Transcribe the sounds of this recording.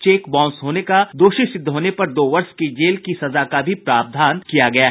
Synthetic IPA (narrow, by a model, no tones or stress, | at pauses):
t͡ʃeːkbɔ̃ːnsɦoːnekad̪oːʃisɪd̪ʱːɦoːnepɐɾd̪oːʋɐɾskid͡ʒeːlkisɐzakabʱipɾaːb̚d̪ʱaːnkijaɡɐjaɦ